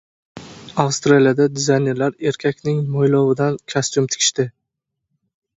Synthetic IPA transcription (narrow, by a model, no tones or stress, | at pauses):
awst̪ɾalijad̪ad̪ɪzajne̞ɾlaɾe̞ɾkʲʰakʲnɪŋmɒjlɒwɪd̪ankʲʰast̪ʊmt̪ʰɪ̥kʰʲɪ̥ʃt̪ɪ